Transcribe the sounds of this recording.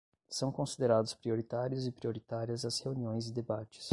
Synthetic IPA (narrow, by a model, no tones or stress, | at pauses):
sɐ̃w̃kõsid̪eɾad̪ʊspɾioɾit̪aɾjʊzɪpɾioɾit̪aɾiɐzɐsheuniõj̃zɪd̪ebat͡ʃɪ̥s